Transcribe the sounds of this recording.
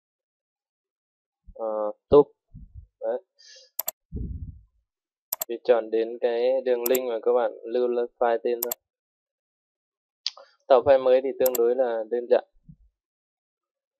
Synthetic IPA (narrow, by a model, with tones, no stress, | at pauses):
ʔɔː˨˩t̪u˦˥p̚a˨˧˦ | ti˧˩t͡ɕɔː˨˩nɗe˨˦nka˨˦jdɯ˧˩əŋli˧ŋmaː˨˩kɔː˧˦baː˨˩nlɯː˧lə˧faː˧jt̪eː˧nt̪a˧˩ | t̪ɔː˨˩fa˧˩jmɤː˦jt̪i˧˩t̪ɨ˧əŋdu˨˦jlaː˧˩dɯː˧˩˨nt͡ɕa̰˧˩˨ʔ